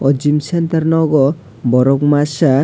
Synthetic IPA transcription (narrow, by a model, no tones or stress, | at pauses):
ɔd͡ʒimsent̪aɾnɔɡɔ | bɔɾɔkmasa